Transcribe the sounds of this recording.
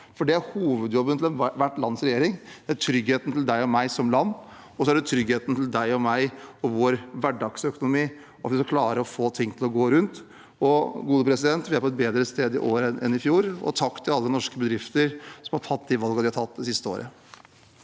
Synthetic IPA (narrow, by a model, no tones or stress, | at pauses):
fɔɖɛæɾhuːʋəd̪jɔbːənt̪ʰɪlɛnʋæʈːlɑnːsɾɛjeːɾɪŋd̪̥æʈʰɾʏɡheːt̪n̩t̪ʰɪld̪æɪɔmæɪsɔmlɑnː | ɔsɔæɖɛt̪ʰɾʏɡheːt̪n̩t̪ʰɪld̪æɪɔmæɪɔʋoːɾʋæɖɑɡ̥sœkʊnʊmiː | ɑt̪ʋɪskkʰlɑːɾəɔfoːt̪ʰɪŋːt̪ɪlɔɡoːɾʉnt̪ | ɔɡuːd̪əpɾɛsɪd̪ɛnt̪ʋɪæɾpʰɔɛt̪̚beːd̪ɾəst̪eːd̪ɪ̰ʔoːɾənʔɛ̰nɪfjuːɾɔ̰t̪ʰɑkːt̪ʰɪlɑlːənɔʂkəbəd̪ɾɪft̪əɾsɔmhɑʈʰɑt̪ːd̪iʋɑlɡɑd̪ɪhɑɾʈtʰɑt̪̚ːd̪ɛsɪst̪əo̰ːɾʔə̰